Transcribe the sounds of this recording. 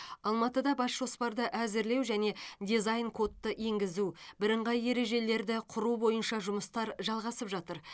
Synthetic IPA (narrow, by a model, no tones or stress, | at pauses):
ɑlˠmɑt̪əd̪ɑbɑsʒ̥o̞spɑɾd̪əʔæzɪɾle̞wʒæne̞d̪izajnkʰo̞t̪ːəʔe̞ŋɡʲɪzubɪɾəɴʁɑje̞ɾe̞ʒe̞le̞ɾd̪ɪqʰʊɾubo̞jənʃɑʒʊməst̪ɑɾʒɑlˠʁɑsəpʒɑt̪əɾ